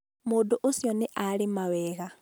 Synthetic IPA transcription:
moːdoʔosjɔneʔaɾemawɛːɣa

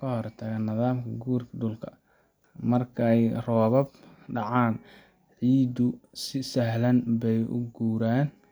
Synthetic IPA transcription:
kʰɐɦɔrt̪ʰɐɣɐnːɐðaːmkʰɐɡuːrkʰɐɖʊlkʰɐ | mɐrkʰɐɛjrɔːβɐbɖɑʕaːn | ʕiːd̪ʊsɪsɐɦlɐnbɛjʔʊ̰ɡuːɾaːn

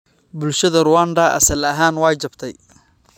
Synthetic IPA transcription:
bʊlʃɐðɐrʊwand̪ɐʔɐ̰sɐlɐɦaːnwɑːjt͡ʃɐbt̪ʰɛj

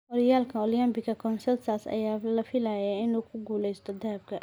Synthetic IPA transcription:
ɔɾɪjaːlkʰɐɔljambɪkɐkʰɔnsɐrsasɐ̰jaːlɐfɪlajaɪnuːkʰʊɡuːlɛjst̪ʰɔd̪ɐhɐb̚kʰɐ

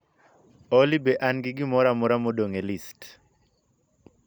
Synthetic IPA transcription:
ɔlibɛʔanɡɪɡɪmɔɾamɔɾamodoŋelist

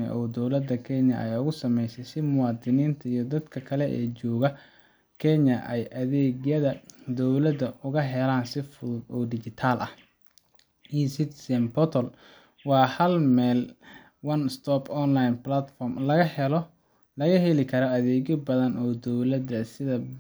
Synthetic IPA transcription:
ɐ̰ʔɔːd̪ɔwlɐd̪ːɐkʰɛnjɐ̰ʔɛjʊɣʊsɐmɛjsɛjsɪmʊwɑːd̪ɪniːnt̪ʰɐijɞd̪ɐd̪kʰɐkʰɐlɛʔɛ̰ːt͡ʃɔːɣɐ | kʰɛnjɐʔɛjʔɐðɛːɣjɐðɐd̪ɔwlɐd̪ɐʊɣɐɦɛlaːnsɪfʊɔːɖɪt͡ʃɪt̪ʰaːlʔɐ̰h | isɪt̪sɛmpɔt̪ʰɔl | wɑːhɐlmɛːl | wɐnst̪ʰɔpɔnlajnplɐt̪fɔrmlɐɣɐhɛlɔ | lɐɣɐhɛlɪkʰɐɾɔɐðɛːɣɪbɐðɐnɔːd̪ɔwlɐd̪ɐsɪðɐ

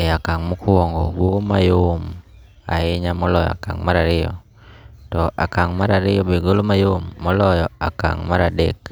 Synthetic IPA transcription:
ɛakaŋmukuɔŋɡɔɡomajom | a̰ɪɲamɔlɔjɔ̰a̰ka̰ŋmaɾaɾɪɔ̰ | tɔʔa̰kaŋmaɾaɾɪjɔbeɡolomajomːɔlɔjɔaka̰ŋmaɾadɛ̰k

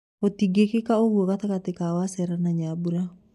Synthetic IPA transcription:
ot̪iɡekekaoɡuokat̪akat̪ɛkawasɛɾanaɲabuɾa

